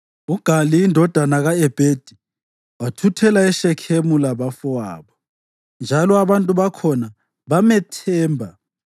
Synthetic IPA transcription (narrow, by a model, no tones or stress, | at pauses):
uɡ̥ʱaliːndʱɔd̥ʱanaɣaɛb̥ʱed̥ʱi | watʰutʰɛlaɛʃɛkʰemulaβafɔa̰ːβɔ | nd͡ʒʱalɔaβantʼuβakʰɔna | βamɛtʰɛːmbʱa